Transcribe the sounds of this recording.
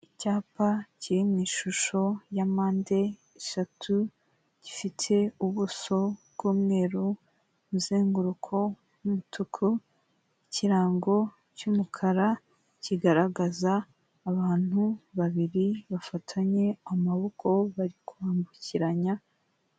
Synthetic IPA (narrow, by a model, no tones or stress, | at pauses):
icaːpaciiniːʃuʃo̞jamaːnde̞ː | ʃatʰu | ɟ̥ifitʰe̞uβuso̞βbɡ̥uːmŋe̞ːɾu | muzeːŋɡuɾukʰo̞ | mumutʰukʰo | iciɾaːŋɡo̞ | cumukʰaɾa | ciɡaɾaɡazaː | βaːn̥huβaβiɾiβafatʰaɲe̞amaβokʰo̞βaɾikuβaːmbuciɾaɲa